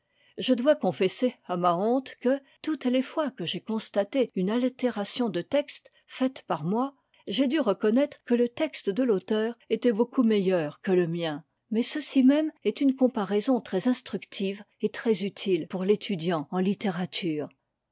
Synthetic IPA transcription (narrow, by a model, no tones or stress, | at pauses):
ʒəd̪wakɔ̃fɛseamaɔ̃t̪kə | t̪ut̪lefwakəʒekɔ̃st̪at̪eynalt̪eʁasjɔ̃d̪ət̪ɛkst̪ | fɛt̪paʁmwa | ʒed̪yʁəkɔnɛt̪χəkələt̪ɛkst̪əd̪əlot̪œːʁet̪ɛbokumejœːʁkələmjɛ̃ | mɛsəsimɛmɛt̪ynkɔ̃paʁɛzɔ̃t̪χɛzɛ̃st̪χykt̪ʰiv | et̪χɛzyt̪ʰilpuʁlet̪ʰyd̪jɑ̃ɑ̃lit̪eʁat̪ʰyːʁ